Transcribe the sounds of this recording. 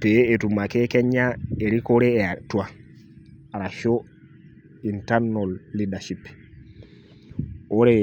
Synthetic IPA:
peetumakekɛɲaeɾikoɾeatua | aɾaʃo | intaɾnolːidaʃip | oɾe

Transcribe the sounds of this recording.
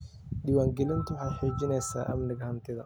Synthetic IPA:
ɗɪwaːŋɡɛlɪnt̪ʊwʊħaːt̪ħuːd͡ʒɪnɛjsa̰ːʔɐ̰mnɪɡɐhɐnt̪ɪðɐ

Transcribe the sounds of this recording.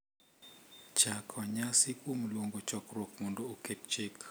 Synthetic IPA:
t͡ʃakʰwaɲasɪkwomlwoŋɡot͡ʃɔkrwokmɔndooket̚t͡ʃɪk

